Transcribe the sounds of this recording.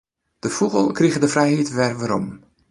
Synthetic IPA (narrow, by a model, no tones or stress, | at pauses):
d̥əfuɣəlˠkriɣədəfrɛjhitʋɛrʋaɾɔ̰m